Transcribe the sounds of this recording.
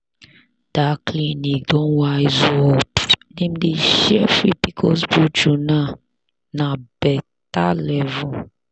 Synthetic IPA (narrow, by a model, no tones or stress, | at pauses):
d̥aklĩnidɔ̃waizuɔpnĩmdeʃɛfipikʰɔsbud͡ʒunã | nãb̥ɛ | talɛvũ